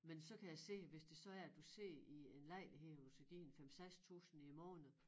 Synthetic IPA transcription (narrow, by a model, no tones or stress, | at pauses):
mensɒ̽kʰæjaɪse̝̰ːʋe̝sd̥e̝sɒ̽æɐæd̥use̝̰ːie̝nlɑɪ̰lɦedusɡ̥æɡ̥ḭːnfemseɡ̥st͡sʰṵːsn̩imɒːnð̩ˠ